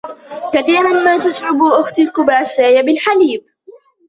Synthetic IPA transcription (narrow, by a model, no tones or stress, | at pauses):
kaθiːɾˤanmaːt̪aʃʕʊbʔʊxt̪ɪlqʊbaːʃaːjabɪlħaliːb̚